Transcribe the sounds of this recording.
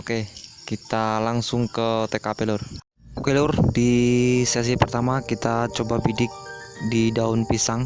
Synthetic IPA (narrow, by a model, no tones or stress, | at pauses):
okekit̪alaŋsʊŋkət̪ekapelʊr | okelʊrdisɛs̬ipərt̪amakit̪at͡ʃobabidɪk̚didaunpisaŋ